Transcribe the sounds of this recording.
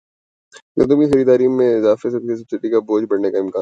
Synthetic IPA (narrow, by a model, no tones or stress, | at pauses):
kɐ̰t̪̬ʊmkixɐɾiːd̪aːɾiːmːẽɪzaːfes̬ɐbsesɐbsɪɖikaboːd͡ʒbɐɽnekaɪ̃mkaː